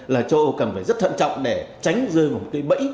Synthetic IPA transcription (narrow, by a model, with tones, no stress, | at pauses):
laː˨˩t͡ɕo˧ʔo˧kə˨˩nfaː˧˩jzə˦˥t̚t̪ʰə˧˨nt͡ɕɔ̰˧˨wŋ͡mɗe˧˩t͡ɕa˨˦jŋ̟zɨ˧əjvaː˨˩mo˨˩kaː˨˦jɓə̰˧˥j